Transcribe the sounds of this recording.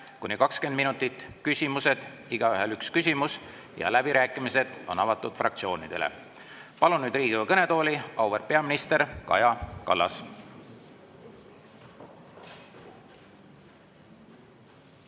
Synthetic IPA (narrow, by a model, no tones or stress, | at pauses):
kunikɑkskend̪minut̪ːˑit̪ːˑkysʲimuse̞d̪̥ | iɡ̥ɑyɦelykskysʲimus | jɑ̰læb̥iɾæːkːˑimise̞d̪̥o̞̰nɑvɑt̪ːˑud̪̥frɑ̰k̚t̪sio̞ːnid̪̥e̞̰lḛ | pɑlunːyːd̪riːɡ̥ivɑkɤne̞t̪o̞ːliɑwverpe̞ɑminist̪e̞ɾkɑ̰jɑkɑ̰lːɑ̰s